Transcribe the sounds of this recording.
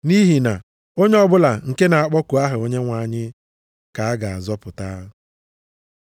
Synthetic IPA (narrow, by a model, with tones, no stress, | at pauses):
ni˦ɦi˨na˨ | o˦ɲe˦ɔ˦bʊ˦la˨ŋ̩˨ke˦na˨a˦˨k͡pɔ˦ku˨a˦ɦʊ˨o˦ɲe˦ŋʷa˨ɲɪ˦ | ka˨a˦ɡa˨a̰˨zɔ˦pʊ˨ta˦